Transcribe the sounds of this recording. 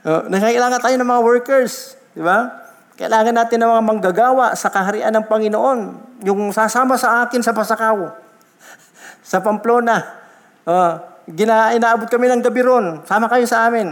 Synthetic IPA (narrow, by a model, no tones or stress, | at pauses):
ʔo̰nɐɡakɪlaːŋɐnt̪aːjonɐŋmɐŋawɛɹkɛɹs | d̪ɪba | kɐʔɪ̰laːŋɐnːaːt̪ɪnːɐŋmɐŋamɐŋɡaɡaːwaʔsɐkɐɦɐɾɪʔanːɐŋpɐŋɪnoʔo̞njʊŋsasaːmasɐʔaːkɪnsɐpɐsɐkaw | sɐpɐmploːna | ʔoɡɪnaʔɪnaːʔabot̪̚kɐmɪnɐŋɡɐbɪɾonsaːmɐkɐjosɐʔaːmɪn